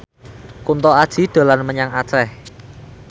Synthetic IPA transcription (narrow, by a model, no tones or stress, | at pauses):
kunt̪ɔad̥ʒ̥i̤d̪̥a̤lanməɲaŋḁt͡ʃɛh